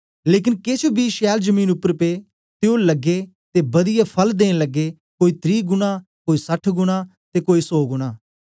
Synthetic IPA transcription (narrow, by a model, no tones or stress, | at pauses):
leːk̬ɪnkeːt͡ʃʰobiːʃɛːld͡ʒəmĩːnʊpːəɾpeː | t̪eoləɡe | t̪eːbəd̪ɪjaːpʰəld̪eːnləɡːeː | koːiːt̪ɾiːɡʊnãːkoːiːsəʈʰɡʊɽ̃aː | t̪eːkoːiːsɔːɡʊɽ̃aː